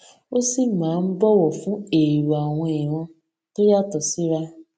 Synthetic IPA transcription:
o˦si˦˨mãː˨˦˧n̩˦bɔ˦wɔ˨fũ˨˦e˨ɾu˨a˨w̃ɔ̃˧e˨w̃ɔ̃˧ | to˦ja˦˨tɔ˨si˨˦ɾa˧

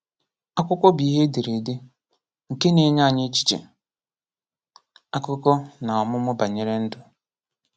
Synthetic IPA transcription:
a˦kʷʊ˦kʷɔ˦bi˨˦ɦe˦de˨ɾe˨de˦ | ŋ̩˨ke˦ne˨˦ɲa˦˨ɲɪ˦t͡ʃi̥˦t͡ʃḛ˨ | a˦kʊ˦kɔ˦na˨ɔ˨mʊ˦mʊ˦ba˨ɲe˦ɾe˦n̩˦dʊ˨

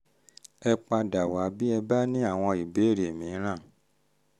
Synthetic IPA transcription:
ɛ˧k͡pa˧da˨wa˨˦bi˦ɛ˧ba˦nĩ˦a˦˨w̃ɔ̃˧i˨be˨˦˨ɾe˨mĩ˨˦ɾ̃ã˦˨

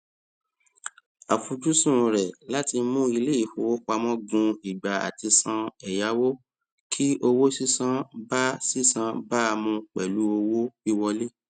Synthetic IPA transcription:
a˨fu˨d͡ʒu˦sũ˦˨ɾɛ˨la˦ti˧˦mũ˦i˧le˦i˦˨fo˨wo˦ka˧mɔ̃˦ɡũ˧i˨ɡ͡ba˨a̰˨ti˧sã˧ɛ˨ja˨˦wo˦ | kʰi˦o˧wo˦si˦sã˦ba˦si˦˨sã˦ba˦a˧mũ˧k͡pɛ˨lu˨˦o˧wo˦i˦wɔ˧le˦

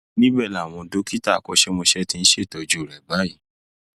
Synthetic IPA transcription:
nĩ˦bɛ˦˨la˨w̃ɔ̃˧do˨˦ki˦ta˦˨kɔ˨˦ʃe˦mo˧ʃɛ˦tĩ˧ñ̩˦ʃe˦˨tɔ˨d͡ʒu˨˦˨ɾɛ˨ba˦i˨˦

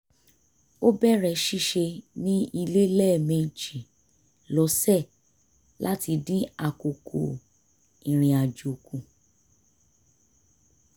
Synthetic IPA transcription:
o˦bɛ˦˨ɾɛ˧ʃi˦˨ʃe˧nĩ˦i˧le˦lɛ˦˨mẽ˨d͡ʒi˨ | lɔ˨˦sɛ˦˨ | lʔa˦ti˧dĩ˦a˨ko˨kʰo̰˨ | ĩ˨ɾ̃ĩ˧a˨d͡ʒo˨kũ˧

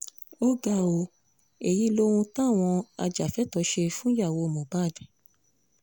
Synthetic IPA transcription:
o˦ɡa˧˨o˧˨ | e˨ji˨˦lo˦ũ˧tã˦˨w̃ɔ̃˧a̰˧d͡ʒa˨fɛ˨˦tɔ˧˦ʃe˧fũ˦ja˦˨wo˨˧mɔ̃˨ba˦˨dɛ˨˦

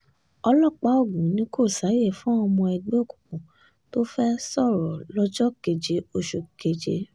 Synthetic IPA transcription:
ɔ˧lɔ˦˨k͡pa˨˦o˦˨ɡũ˨˦nĩ˦ko˦˨sa˨˦je˦˨fũ˦ɔ˧mɔ̃˧ɛ˧ɡ͡be˦o˦˨kũ˨kũ˨ | to˦fɛ˦sɔ˦˨ɾɔ˨lɔ˦d͡ʒɔ˦ke˨d͡ʒe˨˧o˧ʃo˧˨ke˨d͡ʒe˧

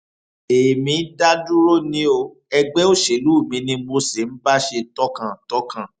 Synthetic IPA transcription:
e˨mĩ˨˧˦da˦du˦ɾo˦nĩ˦o˧ | ɛ˧ɡ͡bɛ˦o˦˨ʃe˨lu˦˨mĩ˧˦nĩ˧mo˧se˨n̩˦ba˦ʃe˧tɔ˦kã˨tɔ˦kã˨

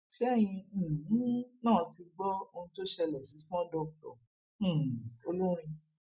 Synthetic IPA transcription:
fɛ˦˨j̃ĩ˧˨˦nãː˦˨ti˧ɡ͡bɔ˦o˧nũ˧to˦ʃɛ˧lɛ˨si˨˦smɔ̃˦dɔ˧˨k̚tɔ̰̃˨ | o˧lo˦ɾ̃ĩ˧

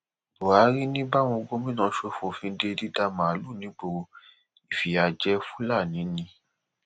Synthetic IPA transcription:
to˨a˨˦ɾi˦nĩ˦ba˦˨w̃ɔ̃˧ɡo˦mĩ˦nã˨˧˦ʃo˧˦fo˨fĩ˧˦de˧di˦da˧mã˨a˨lu˦˨nĩ˨˦ɡ͡bo˧ | i˨fi˨a˨d͡ʒɛ˧˦fũ̥˦la˦˨nĩ˨˦nĩ˧˦

